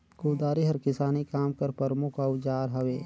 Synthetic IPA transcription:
kuːd̪aːɾiɦɐɾkɪsaːnikaːmkɐɾpɐɾmʊkʰɐwd͡ʒaːɾɦɐʋeː

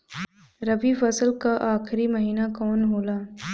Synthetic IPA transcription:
ɾɐbifɐsəlkaʔaːxʰɾimɐɦiːnakɔːnɦoːlaː

